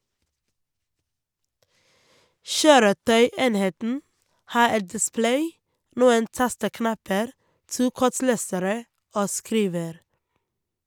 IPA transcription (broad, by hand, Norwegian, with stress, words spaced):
ˈʃøːɾəˌtœʏˌeːnheːtn̩ ˈhɑː ˈɛt dɪˈsplæɪ ˈnuːən ˈtɑstəˌknɑpəɾ ˈtuː ˈkɔˌʈleːsəɾə ˈoː ˈskɾiːʋəɾ